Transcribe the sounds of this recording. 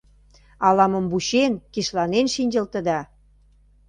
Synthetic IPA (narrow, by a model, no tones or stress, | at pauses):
ɑlɑmə̆mbuɕenkiʃlɑnenʃinʲd͡ʑə̆lt̪ə̆d̪ɑ